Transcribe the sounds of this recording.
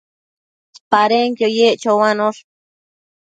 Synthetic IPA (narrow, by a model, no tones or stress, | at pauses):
spaɾeŋkjojeʔt͡ʃowanoɬ